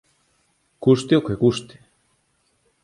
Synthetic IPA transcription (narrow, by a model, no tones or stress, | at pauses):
kust̪eokekust̪e̥